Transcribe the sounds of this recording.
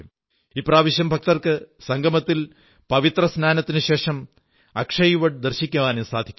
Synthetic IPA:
ipːraːʋiɕjɐmbʱɐk̚t̪ɐrkɨsɐŋɡʱɐmɐt̪ːil | pɐʋit̪rɐsnaːnɐt̪ːinɨɕe̞ːʂɐm | ɐkʂɐjuʋɐɽ̚d̪ɐrɕikʲːuʋaːnesaːd̪ʱi̥kʲːu

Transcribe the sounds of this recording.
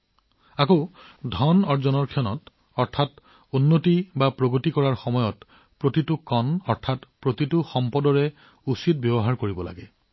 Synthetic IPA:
akoʊdʱɔnɔɹzɔnɔɹkʰiɔnɔt | ɔɹtʰat | unːotibapɹoɡotikɔɹaɹxɔmɔjɔt | pɹotitʊkɔnɔɹtʰatpɹotitʊxɔmpɔdɔɹɛ | usit̚bjɔbɔɦaɹkoɹibɔla̰ɡɛ

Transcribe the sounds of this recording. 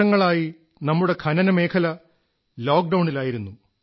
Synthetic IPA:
ɐŋːɐɭaːji | nɐmːuɽe̞kʰɐnɐnɐme̞ːkʰɐlɐ | lo̞ːk̚ɖɐwɳilaːjiɾunːu

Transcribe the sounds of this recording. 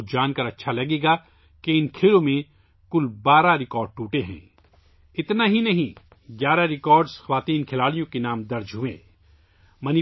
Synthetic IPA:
d͡ʒaːnkɐɾɐtːʃʰalɐɡeːɡa | keɪnkʰeːlõmẽ | kʊlbaːɾaɾɪkɔːɾɖ̚ʈuːʈeɦɛ̰̃ː | ɪt̪naɦinɐɦĩ | ɡjaːɾaɾɪkɔːɾɖzxɐʋaːt̪iːnkʰɪlaːɽijõkenaːmd̪ɐɾd͡ʒɦʊḛ̃ː | mɐni

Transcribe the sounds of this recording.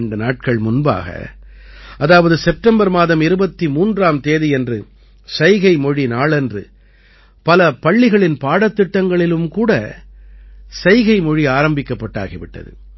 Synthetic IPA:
ɳɖɯnaːʈ̚kɐɭmʊnba̰ːɣɐ̰ | ʔɐðaːʋɐðɯsɛp̚ʈɐmbɐɾmaːðɐmɪɾɯbɐt̪ːimuːndraːmt̪eːðɪɛndrɯ | sɛɪɣɐɪmɔɻinaːɭɛndrɯ | pɐlɐpɐɭːɪɣɐɭɪnpaːɽɐt̪ːɪʈːɐŋɡɐɭɪlɯmkuːɽɐ | sɛɪɣɐɪmɔɻiaːɾɐmbɪkːɐpːɐʈːa̰ːɣɪʋɪʈːɐ̰ðɯ̰

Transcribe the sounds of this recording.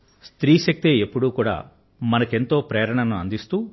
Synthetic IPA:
st̪ɾiːʃɐk̚t̪eepːuɽuːkuːɽa̰ː | mɐnɐke̞nt̪o̞ːpɾeːɾɐɳɐnuɐnd̪ist̪uː

